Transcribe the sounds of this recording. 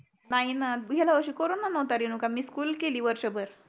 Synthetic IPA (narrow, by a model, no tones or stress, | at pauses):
naɦinaɡʱɛlaʋəɾɕiːkoɾuːnːanəʋt̪aɾinukamiːskuːlkeliːʋəɾɕəbəɾ